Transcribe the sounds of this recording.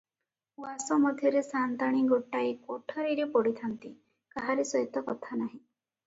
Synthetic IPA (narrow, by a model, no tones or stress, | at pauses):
wasɔmɔd̪ʱjɔɾesant̪aɽ̃iɡoʈːajkɔʈʰɔɾiɾepɔɽit̪ʰant̪i | kaɦaɾesɔjit̪ɔkɔt̪ʰanaɦĩ